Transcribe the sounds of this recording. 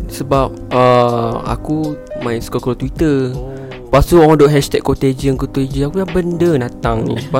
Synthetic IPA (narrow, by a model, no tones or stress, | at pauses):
səbap̚əa̰kumãɪnsu̥kokɾot̪wit̪ə | past̪uɔŋdoʔɦɛʃt̪ɛkːot̪ed͡ʒənkut̪ed͡ʒəakujabəndənat̪aŋḭpa